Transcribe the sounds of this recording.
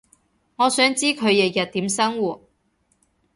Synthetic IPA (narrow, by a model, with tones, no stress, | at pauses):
ŋɔː˨˧sœː˨˥ŋt͡siː˥kʰɵ˨˧ɥjɐ˨jɐ˨t̚t̪iː˨˥msɐ˥ŋwuː˨˩t̚